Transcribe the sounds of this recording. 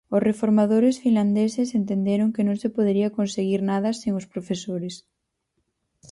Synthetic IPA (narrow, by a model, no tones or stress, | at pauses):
ʊsrefoɾmaðoɾesfinland̪esesent̪end̪eɾoŋkenõŋsepoðeɾiɐkonseɣiɾnað̞ɐseŋospɾofesoɾes